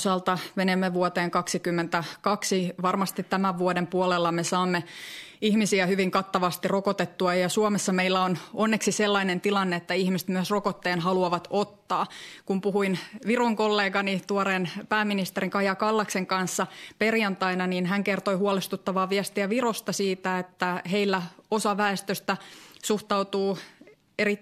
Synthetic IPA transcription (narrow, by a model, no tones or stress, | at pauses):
sɑːlt̪ɑʋenemːeʋuot̪eːŋkɑksikymːent̪ækɑksiʋɑrmɑst̪it̪tæmæʋʋuodempuolelːɑmesɑːmːeihmisiæhyʋiŋkɑt̪ːɑʋɑst̪irokot̪et̪ːuɑjɑsuomesːɑmeilːæononːeksiselːɑinent̪ilɑnːeet̪ːæihmist̪myøsrokot̪ːeːnɦɑluɑʋɑt̪ot̪ːɑːkumpuhuinʋiroŋkolːeːɡɑnit̪uoɾeːnpæːmːinist̪eɾiŋkɑjɑkɑlːɑkseŋkɑnsːɑperjɑnt̪ɑinɑniːnɦæŋkert̪oihuɑlest̪ut̪ːɑʋɑːʋiæst̪iæʋirost̪ɑsiːt̪æet̪ːæɦeilːæosɑʋæest̪øst̪æsuht̪ɑut̪uː | eri